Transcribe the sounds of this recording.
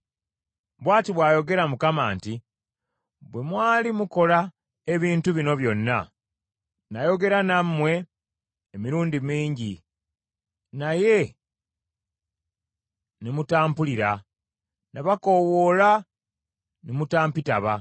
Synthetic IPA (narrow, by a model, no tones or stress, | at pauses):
βwaːtiβwaːjo̞ɡe̞ɾamukamaːnti | βwe̞mwaːlimuko̞la | e̞βiːntuβino̞βjo̞nːa | najo̞ɡe̞ɾanamːwe̞ː | miɾuːndimiːɲɟi | naje̞ | nemutaːmpuliɾa | naβako̞wo̞la | nemutaːmpitaβa